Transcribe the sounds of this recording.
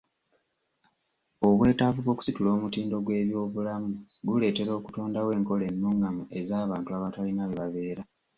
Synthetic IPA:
o̞βwe̞ːtavuβo̞ːku̥situlo̞ːmutiːndo̞ɡwe̞ːβjo̞ːβulamuɡule̞ːte̞ɾo̞ːku̥to̞ːndawe̞ːŋko̞le̞nːuŋɡamue̞zaːβaːntuaβatalinaβiβaβe̞ːɾa

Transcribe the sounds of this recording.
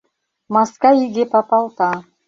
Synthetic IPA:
maskaiɡʲepapɑlˠt̪ɑ

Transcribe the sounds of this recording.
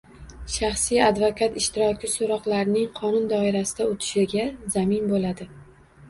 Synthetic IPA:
ʃaχsijad̪vokʰat̪ɪʃt̪ʰɪɾɒkʲɪsoɾɒqlˠaɾɪnɪŋqʰɒnʊnd̪ɒɪɾasɪd̪aʊt̪ʰɪ̥ʃɪɡʲazamɪnbolad̪ɪ

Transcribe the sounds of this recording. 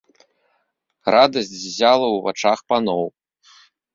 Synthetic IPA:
rad̪ɐsʲt͡sʲvzʲalˠɐwva̰t͡ʂaxpanɔw

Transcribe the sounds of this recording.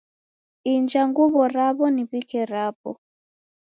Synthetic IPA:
ind͡ʒaŋɡuβɔɾaβɔniβikɛɾapɔ

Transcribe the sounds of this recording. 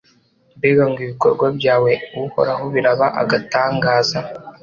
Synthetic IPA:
beɡaŋɡiβiko̞̰ɾɡwabjaːwe̞uuho̞̰ɾaɦo̞βiɾaβaʔa̰ɡataːŋɡaːza

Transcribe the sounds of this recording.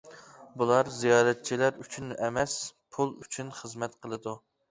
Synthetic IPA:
bulˠɑɾzijɑːɾɛt̪̚t͡ʃʰilæɾyt͡ʃʰynʔɛmɛspʰulˠyt͡ʃʰynχəzmɛt̪qʰəlˠɨd̪u

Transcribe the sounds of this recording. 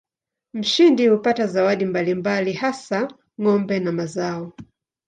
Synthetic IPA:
m̩ʃindihupatazawaɗimbalimbalihasa | ŋɔmbɛnamazaɔ

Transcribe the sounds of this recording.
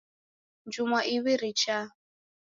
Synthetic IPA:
nd͡ʒumaʔiβiɾit͡ʃʰa

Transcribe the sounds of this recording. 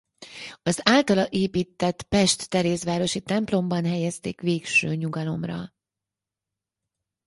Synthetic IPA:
ɒzaːlt̪ɒlɒʔeːpiːt̪ːɛt̪pɛʃt̪ːɛɾeːsʋaːɾo̞ʃit̪ɛmplo̞mbɒnɦɛjɛst̪ḛːkʋeːkʃøːɲuɡɒlo̞mrɒ̰

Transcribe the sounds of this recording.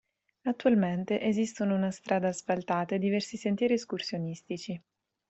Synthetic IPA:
at̪ːualment̪eʔezist̪onounast̪ɾʔaːd̪asfalt̪aːt̪ed̪ivɛrsisent̪jɛːɾieskursjonist̪it͡ʃi

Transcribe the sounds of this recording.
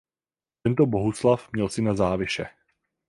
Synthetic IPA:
t̪ɛnt̪obo̞ɦuslafmɲɛlsɪnazaːvɪʃɛ

